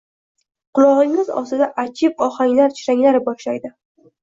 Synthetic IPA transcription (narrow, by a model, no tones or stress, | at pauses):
qʰʊlˠɒʁɪŋɪzɒ̰st̪ɪd̪aʔat͡ʃʰɪpɒχaŋʲlaɾt͡ʃʰɪɾaŋʲlaɾɪbɒʃlajd̪ɪ